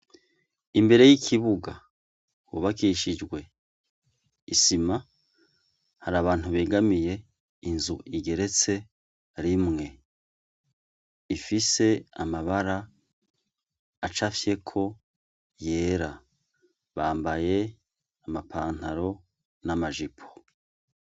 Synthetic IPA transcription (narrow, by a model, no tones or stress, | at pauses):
imbe̞ɾe̞jikʰiβuɡa | wuβakiʃid͡ʒɡwe̞ | isima | haɾaːβaːn̥uβeːɡamije̞ | inzuʔiɡe̞ɾe̞t͡se̞ | ɾimŋe̞ | ifise̞amaβaɾa | at͡ʃafje̞kʰo̞ | je̞ːɾa | βaːmbaje̞ | amapʰaːn̥haɾo̞ | namaʒipʰo̥